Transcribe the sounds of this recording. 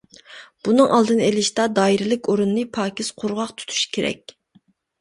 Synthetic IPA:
b̥unɨŋʔɑ̰lˠd̪ɨnelɪʃt̪ɑd̪ɑːiɾɪlɪkʲoɾunːɨpʰɑːkʲʰisqʰʊɾʁɑqt̪ʰu̥t̪ʰu̥ʃi̥kʲʰeɾɛ̰kʲ

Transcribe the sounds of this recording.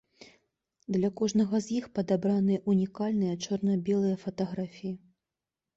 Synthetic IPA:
d̪lʲɐkɔʐnɐɣɐzʲjixpɐd̪abɾanɨjɐʔunʲikalʲnɨjɐt͡ʂɔrnɐbʲɛlˠɨjɐfɐt̪ɐɣɾafʲiji

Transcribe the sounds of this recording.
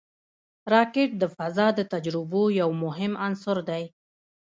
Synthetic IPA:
ɾɑkɪʈ̚d̪əfazɑd̪ət̪ad͡ʒɾɪbojawmʊɦɪmansʊɾd̪aj

